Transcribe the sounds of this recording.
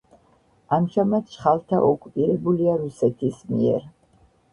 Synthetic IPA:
amʒamat̪ʃχalˠt̪ʰa̰ʔɔkʼupʼiɾɛbuliaɾusɛt̪ʰismiɛ̰ɾ

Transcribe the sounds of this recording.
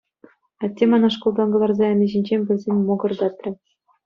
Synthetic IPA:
ɑtʲːemɑnɑʂkŏlˠd̪ɑnɡɤ̆lˠɑrzɑɘ̆nʲɘ̆ʑĭnʲd͡ʑemʲbʲɘ̆lʲzʲenʲmoɡɤ̆rd̪ɑt̪ʲrʲɘtʲ

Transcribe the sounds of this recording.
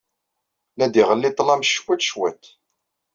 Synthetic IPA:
læd̪iʁəlːɪt̪ˤːlɑmʃwæt̪ʃwæ̰t̪

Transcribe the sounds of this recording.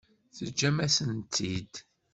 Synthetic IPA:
θəd͡ʒːæmæsənt̪ʰːid̪

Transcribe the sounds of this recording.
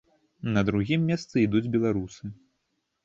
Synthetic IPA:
nɐd̪ɾuɣʲimːʲɛst̪sɨid̪ud͡zʲbʲɛlˠaɾusɨ

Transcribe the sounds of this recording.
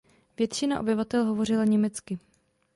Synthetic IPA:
vjɛt̪t͡ʃɪnaʔo̞̰bɪvat̪ɛlɦo̞vo̞rɪlaɲɛmɛt͡skɪ

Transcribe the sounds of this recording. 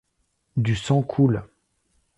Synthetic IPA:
d̪ysɑ̃kʰul

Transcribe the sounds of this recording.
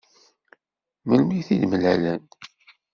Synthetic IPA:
məlmiθidməlælæn

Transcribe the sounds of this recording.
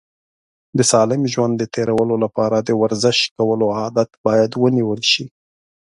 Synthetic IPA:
d̪əsɑlɪmʒwand̪ːət̪eɾawəlolapɑɾad̪əwaɾzɪʃkawəloɑd̪at̪bɑjad̪wəniwəlʃi

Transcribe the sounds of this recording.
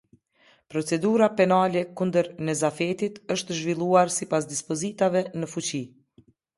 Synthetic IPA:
pɾɔt͡sɛd̪uɾapɛnalɛkund̪əɾnɛzafɛt̪it̪əʃt̪əʒvilˠuaɾsipas̬d̪ispɔzit̪avɛnəfut͡ɕi

